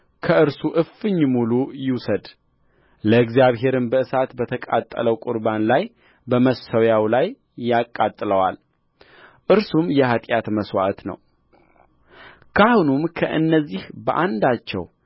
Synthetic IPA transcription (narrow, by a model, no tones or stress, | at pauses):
kʰəɨɾsuʔɨfɨɲːmulujɪwsəd̪ | ləɨɡzijaβɦe̞ɾɨnbəɨsat̪bət̪ʰəkʼa̰t̪ʼːə̰ləwkʼʊɾbanlaj | bəməsəwjawlajː | akʼːat̪ʼːɨləwa̰l | ʔɨɾsumjɛhat̪ʼjat̪məswa̰ʔt̪nə̰w | kʰahunumkʰəʔɨ̰nːəzːihbəʔand̪at͡ʃːɛ̰w